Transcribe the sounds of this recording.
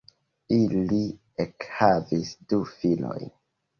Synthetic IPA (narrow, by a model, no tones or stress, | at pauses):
ili | ekhavisdufilo̰jn